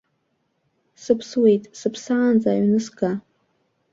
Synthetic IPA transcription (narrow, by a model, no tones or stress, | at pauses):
sɨpʰswejtʼsɨpʰsaːnd͡zaɥnɨsɡa